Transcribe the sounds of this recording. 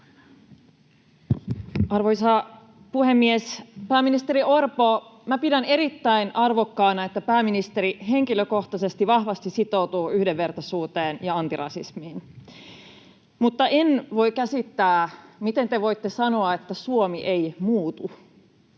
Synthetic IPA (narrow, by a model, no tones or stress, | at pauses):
ʔɑrʋojsɑ | puhe̞mːiespæːmːinist̪e̞ɾio̞rpomæpidæne̞ɾit̪ːæinɑrʋo̞kːɑːnɑe̞t̪ːæpæːminist̪eɾiɦe̞ŋkiløko̞ht̪ɑse̞st̪iʋɑhʋɑst̪isit̪o̞ut̪uːyhdeʋːe̞rt̪ɑsuːt̪eːnjɑɑnt̪irɑ̰sismiːn | mut̪ːɑʔenʋo̞jkæsit̪ːæːmit̪e̞nt̪e̞ʋo̞jt̪ːe̞sɑnoɑet̪ːæsuomiʔe̞jmuːt̪u